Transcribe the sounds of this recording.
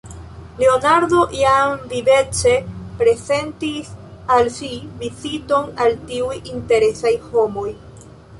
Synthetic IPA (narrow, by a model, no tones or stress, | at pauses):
le̞onaɾd̪o̞ʔjamvivet͡ʃepɾe̞ze̞ntisalsivizito̞naltiujinteɾe̞sajho̞mo̞j